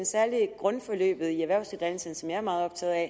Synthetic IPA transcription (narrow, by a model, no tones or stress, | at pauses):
nsæɐliɡ̥ʁɔ̽nfɒ̽lø̰ːb̥ð̩ˠiæʋæɐʊsdeðˠd̥ænl̩sən̩sɒ̽mjɑ̈æɐmɑ̈ːð̩ˠɒ̽b̥t͡sʰɛ̰ːðˠɛ